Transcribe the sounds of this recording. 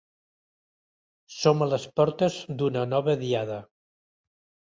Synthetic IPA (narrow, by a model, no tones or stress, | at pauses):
somələspɔɾt̪əzd̪unənɔβəðiaðə